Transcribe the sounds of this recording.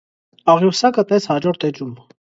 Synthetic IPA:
ɑʁjusɑkət̪nɛt͡shɑd͡ʒɔɾt̪ɛd͡ʒum

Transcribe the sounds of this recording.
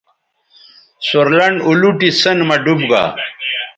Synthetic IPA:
soɾlɐɳɖuluʈisɐnmɐɖubɡa̰ː

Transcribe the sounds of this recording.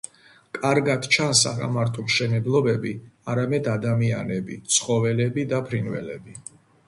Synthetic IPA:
kʼaɾɡad̪̥t͡ʃʰansa̰ɾa̰maɾt̪ʰʼɔmʃɛnɛblˠɔbɛbiaɾamɛd̪ad̪amia̰nɛbḭt̪sʰχɔvɛlɛbid̪apʰɾinvɛ̰lɛ̰bi

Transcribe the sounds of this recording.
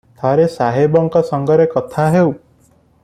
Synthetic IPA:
t̪ʰaɾesaɦebɔŋkɔsɔŋɡɔɾekɔt̪ʰaɦew

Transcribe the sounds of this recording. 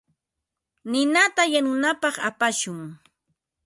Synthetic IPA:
nɪnat̪ajanʊnapɑχa̰paʃʊŋ

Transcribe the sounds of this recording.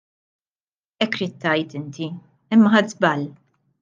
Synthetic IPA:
ɛkːɾiːt̪ːɐjt̪ɪnt̪i | ɪmːɐɦɐd̪zbɐl

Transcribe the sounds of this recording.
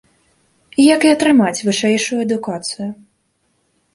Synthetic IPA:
ijɐkiɐt̪ɾɨmat͡sʲvɨʂɛjʂujuɐd̪ukat̪sɨju

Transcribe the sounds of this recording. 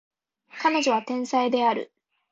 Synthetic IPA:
kano̞ʑo̞β̞at̪ẽ̞ɰ̃said̪e̞aɾɯ̰

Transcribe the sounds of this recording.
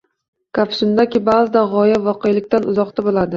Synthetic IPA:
kʰapsʊnd̪akʲɪbazɪd̪aʁɒjavɒqʰejlɪkʲt̪anʊzɒqt̪abolad̪ɪ

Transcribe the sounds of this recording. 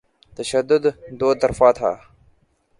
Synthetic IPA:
t̪ɐʃɐd̪ʊd̪d̪oːt̪ːɐɾfaːt̪ʰa̰ː

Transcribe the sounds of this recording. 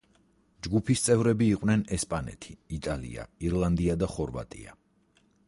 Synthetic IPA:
d͡ʒɡupʰist̪sʼɛvɾɛbiːqʼwnɛnɛspʼanɛ̰t̪ʰi̥it̪ʼalḭa̰iɾlˠand̪iad̪aχɔɾva̰t̪ʼḭa

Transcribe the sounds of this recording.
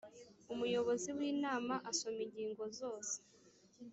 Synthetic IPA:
umujo̞βo̞ziwiːnaːmaʔaso̞miɲɟiːŋɡo̞zo̞ːse̥

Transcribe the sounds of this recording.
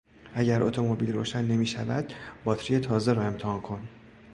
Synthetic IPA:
æɟæɾʔo̞̰t̪ʰo̞mo̞biːlɾoːʃænːe̞miːʃævæ̰d̪bɒːt̪ɾije̞t̪ʰɒːzeɾɒːe̞mt̪ʰehɒːnkʰo̞n

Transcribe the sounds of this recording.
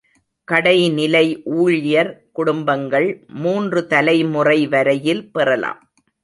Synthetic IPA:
kɐɽɐɪnɪlɐɪʔuːɻjɐɾkʊɽʊmbɐŋɡɐɭmuːndrɯt̪ɐlɐɪmʊrɐɪʋɐɾɐjɪlpɪrɐla̰ːm

